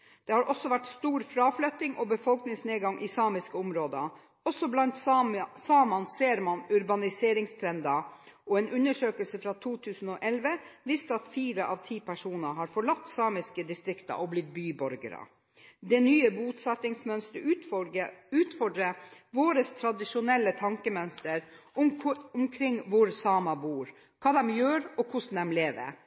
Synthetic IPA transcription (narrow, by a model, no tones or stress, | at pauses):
d̪̥ɛhɑɾʔɔsɔʋæʈst̪uːɾfɾɑːflœt̪ːɪŋʔɔːbəfɔlknɪŋsneːɡɑŋʔiːsɑːmɪskəʊmɾoːd̪ə | ɔsɔblɑnt̪sɑːmɑnseːɾmɑnʉɾbɑnɪseːɾɪŋst̪ʰɾɛnd̪ɑ | ʔɔːeːnʉnəʂøːkəlsəfɾɑːt̪ʰuːt̪ʰʉːsn̩oːʔɛlʋəʋɪst̪əɑt̪fiːɾəʔɑːʋt̪ʰiːpʰæʂuːnɑɦɑːɾfɔɭɑt̪ːsɑːmɪskəd̪ɪst̪ɾɪkt̪ɑ̰ʔɔblɪt̪̚byːbɔɾɡə̰ɾə̰ | d̪ɛnyːəbuːt̪sɑt̪ːɪŋsmœnst̪ə | ʉːt̪fɔɖɾəʋoːɾəst̪ʰɾɑd̪ɪʂʊnɛlːət̪ʰɑŋkəmœnst̪əɾ | ʊmkʰɾɪŋːʋʊɾsɑːmɑbuːɾ | kʰɑːd̪ɛmjøːɾɔkʰʊʂn̩d̪ɛmleːʋə̰